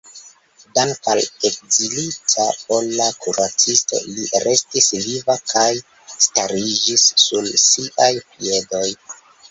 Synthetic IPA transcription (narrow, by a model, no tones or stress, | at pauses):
dankalek̚zilit͡sapolːakʰuɾat͡sisto̞̰liɾʔe̞stisvivakʰaj | staɾid͡ʒisːulsiʔajpie̞do̞j